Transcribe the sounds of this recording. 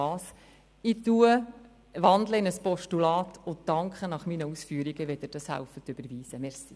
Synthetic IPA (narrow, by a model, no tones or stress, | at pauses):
ɑːs | ɪtuə | ʋɑnd̪ləɪnəspɔʃtulɑːtʰʊdɑŋkχənɑχminəusfyːəɾiɡəʋɛd̪ɪɾd̥ɑshæ̰wfət̪øb̥əɾʋiːsəmɛɾsi